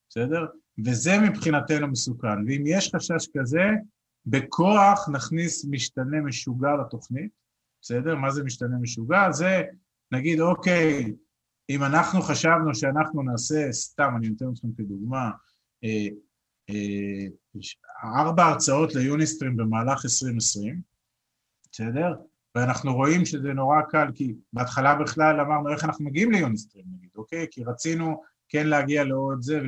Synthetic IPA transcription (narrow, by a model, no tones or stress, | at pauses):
bese̞de̞ʁ | ve̞ze̞mipχinatenumesukanveimjeʃχaʃaʃkaze̞ | be̞kʰo̞aχnaχnismiʃtane̞meʃuɡalat̪o̞χnit | b̥ese̞de̞ʁmazemiʃtane̞meʃuɡaze̞ | naɡid̪o̞ke̞j | imanaχnuχaʃavnuʃeanaχnunaːse̞st̪amaninot̪enotχemked̪uɡma | e | e | ʃaaʁbaːʁt͡sao̞t̪le̞junist̪ʁimbe̞maːlaχesʁimesʁim | bese̞d̪e̞ʁ | veanaχnuʁo̞imʃe̞zeno̞ʁakalkibeat̪χalabiχlalamaʁnue̞χanaχnumeɡiimlejunist̪ʁimnaɡid̪oke̞jkiʁat͡sinu | ke̞nleaɡialeoed̪zev